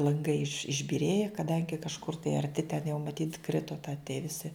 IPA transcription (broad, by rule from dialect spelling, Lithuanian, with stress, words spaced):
lˠɐŋˈɡɐɪ ɪʃ ɪʒʲbʲɪˈrʲeːjɛ kɐˈdɐŋʲɡʲɪ kɐʃˈkʊr tɐɪ ɐrʲˈtʲɪ tʲɛn jɛʊ mɐˈtʲiːt ˈkrʲɪtoː tɐ tʲiɛ ʋʲɪˈsʲɪ